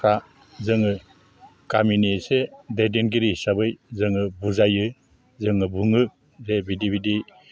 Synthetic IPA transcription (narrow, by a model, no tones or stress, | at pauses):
kʰa | zɯŋɯ | kaminisededenɡiɾisabɯjzɯŋɯbuzajɯ | zɯŋɯbuŋɯ | zebidibidi